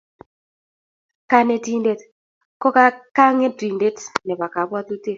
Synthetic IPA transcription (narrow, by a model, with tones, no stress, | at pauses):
ka˦ne˦ti˦nde˦t | kɔ˦ka˦ka˦ŋe˦dɾi˨nde˦tnɛ˨ba˨ka˨˦bwa˦t̪u˦te˦